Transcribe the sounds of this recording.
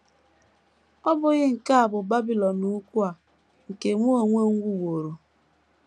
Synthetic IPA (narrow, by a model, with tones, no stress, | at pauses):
ɔ˦bʊ˨ɣɪ˦ŋ̩˨ka˦a˨bʊ˨ba˦bi˨lɔ˨nu˦kʷu˦a˨ | ŋ̩˨ke˨mo˦o˨ŋʷe˦ŋ̩˦ɡʷu˦wo˨ɾo˨